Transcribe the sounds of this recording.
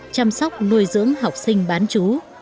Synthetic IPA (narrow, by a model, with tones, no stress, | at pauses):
t͡ɕa˧msɔ˦˥wk͡p̚nu˧əjzɨ̰˧˥əŋɦa˨˩wk͡p̚sï˧ŋ̟ɓaː˨˦nt͡ɕu˨˦